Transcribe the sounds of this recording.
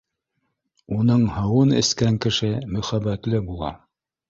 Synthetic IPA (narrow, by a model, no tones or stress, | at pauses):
unɤɴhɤ̆wɤnɘ̰̆skæŋkɘ̆ʃɘmɵ̆χæbːæt̪lɘbulˠɑ̰